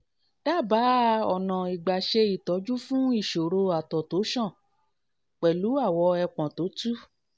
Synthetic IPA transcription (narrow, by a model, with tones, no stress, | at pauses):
d̥a˦˨ba˨˦ɔ˨nã˨i˨ɡ͡ba˨ʃe˧i˨tɔ˨˦d͡ʒu˦fũ˦i˦˨ʃo˨ɾo˧a˨tɔ˨to˨˦ʃɔ̃˦˨ | k͡pɛ˨lu˨˦a˦˨wɔ˧ɛ˧k͡pã˨to˨˦tu˦